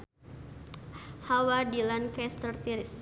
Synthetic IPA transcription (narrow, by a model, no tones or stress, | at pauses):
hawadilankɛst̪ərt̪iɾɪs